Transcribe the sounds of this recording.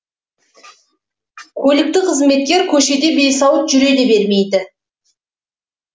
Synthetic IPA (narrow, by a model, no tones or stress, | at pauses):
kʲʰɵlɪk̚t̪ɪqʰəzme̞t̪̚kʲe̞ɾkʲʰɵʃe̞d̪e̞be̞jsɑwət̪ʒʏɾe̞d̪e̞be̞ɾme̞jd̪ɪ